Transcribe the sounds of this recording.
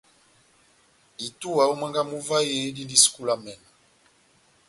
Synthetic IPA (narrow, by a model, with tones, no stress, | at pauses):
i˨tu˦wa˨o˦mə˦ŋɡa˦mu˦va˦je˦di˦ndi˦sku˦la˦mɛ˨na˨